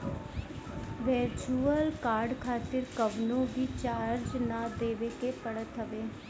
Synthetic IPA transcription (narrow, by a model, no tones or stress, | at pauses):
ʋeɾt͡ʃuːəlkaːɾɖkʰaːt̪ɪɾkəʋnõːɡiːt͡ʃaːɾd͡ʒnãːd̪eːʋeːkeːpəɽət̪ɦəʋeː